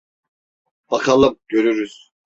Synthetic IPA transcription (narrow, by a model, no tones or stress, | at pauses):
b̥akʰalˠɯp̚ɟ̥øɾyɾyz̥